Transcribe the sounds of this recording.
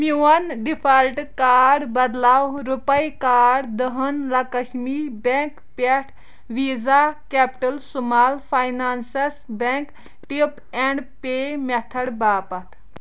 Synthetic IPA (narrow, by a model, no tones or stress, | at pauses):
miwɐnɖifʰɐlʈkaːɾɖbɐd̪laːwɾupɐjkaːɖd̪əɦɐnlɐkɐʃmiːbẽŋk | peʈʰ | ʋiːzakeːpʈɐlsumaːlpʰajnaːnsɐsbeŋk | ʈip | eɳɖpemet̪ʰɐɽbaːpɐt̪ʰ